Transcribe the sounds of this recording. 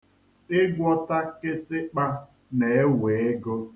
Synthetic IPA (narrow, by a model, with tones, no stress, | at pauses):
ɪ˦ɡʷɔ˦ta˦kɪ˦tɪ˦k͡pa˦ | ne˨e˦we˨e˦ɡo˦